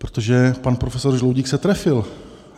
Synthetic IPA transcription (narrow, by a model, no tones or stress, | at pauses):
pɾot̪oʒɛpanpɾofɛsoɾʒlowɟiːksɛt̪ɾɛfɪl